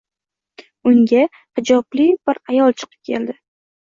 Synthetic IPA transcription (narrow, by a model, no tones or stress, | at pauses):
ʊŋɡʲa | hɪd͡ʒɒblɪb̥ɪɾajɒlˠt͡ʃʰɨ̥qʰɨ̥p̚kʲʰe̞̰ld̪ɪ